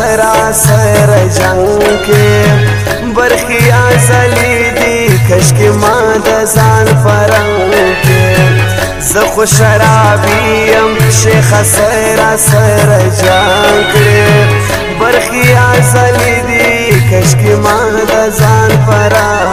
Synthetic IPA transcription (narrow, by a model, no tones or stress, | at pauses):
aɾasɐɾad͡ʒake | baɾxijazalid̪i | kɐʃkimɑd̪ɐzɑːnfaɾa | uke | zəxoʃaɾɑːbijɐmʃexasa | ɾasaɾad͡ʒakɽe | baɾxijazalid̪i | kɐʃkimɑ | d̪ɐzɑːnfaɾa